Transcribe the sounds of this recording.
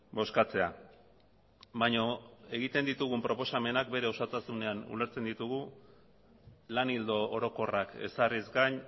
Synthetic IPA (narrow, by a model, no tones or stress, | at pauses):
bo̞skat͡se̞a | baɲo̞e̞ɣit̪e̞nd̪it̪uɣ̞umpɾo̞po̞same̞nak̚be̞ɾe̞o̞sat̪asune̞anṵle̞ɾt͡se̞nd̪it̪uɣu | lanild̪o̞ːɾo̞ko̞rake̞̰sarizɡaɲ